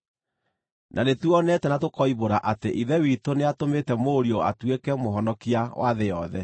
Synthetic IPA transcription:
nʔanetuɔnɛtɛnatokɔiβoɾaʔateʔiðɛwitoneatometɛmoɾiɔa̰twekɛmoɦɔnɔkiawʔaðejɔðɛ

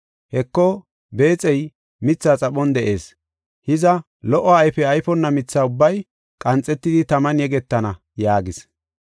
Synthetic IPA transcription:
hɛkːɔ | be̞ːt͡sʼɛj | mɪt͡sːaːt͡sʼɐɓɔnd̪ɛʔe̞̰ːs | hɪzɐ | lɔʔɔɐjfɛɐjfɔnːɐmɪt͡sːaːʊbːɐj | kʼɐnt͡sʼːɛt̪ːɪd̪ɪt̪ɐmɐnjɛɡɛt̪ːɐnɐ | jaːɡɪs

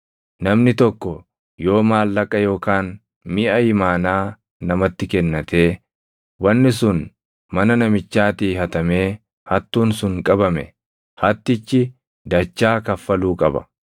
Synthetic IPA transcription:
nɐmnɪt̪ɔkːɔ | jo̞ːmaːlːɐkʼːɐjo̞ːkaːn | mɪʔɐjɪmaːnaː | nɐmɐt̪ːɪkɛnːɐt̪ʰe̞ː | wɐnːɪsʊn | mɐnɐnɐmɪt͡ʃːaːt̪iːhɐt̪ɐme̞ː | hɐt̪ːuːnsʊŋkʼɐbɐmɛ̰ | hɐt̪ːɪt͡ʃːɪ | d̪ɐt͡ʃːaːkɐfːɐluːkʼɐbɐ̰

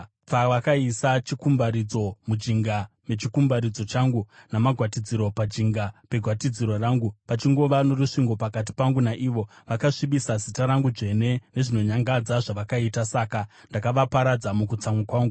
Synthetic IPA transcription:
paʋakaisat͡ʃikumbaɾid͡zo̞mud͡ʒiŋɡa | me̞t͡ʃikumbaɾid͡zo̞t͡ʃaŋɡunamaɡʱwatid͡ziɾo̞pad͡ʒiŋɡape̞ɡʱwatid͡ziɾo̞raːŋɡupat͡ʃiŋɡo̞ʋano̞ruʂiŋɡo̞pakat̬i̥paŋɡunaʔiʋo̞ʋakaʂiɓisazitaɾaŋɡuʐe̞ne̞ne̞ʐino̞ɲaŋɡad͡zaʐaʋakaitasaːka | ndakaʋapaɾad͡zamukut͡samwakwaːŋɡu

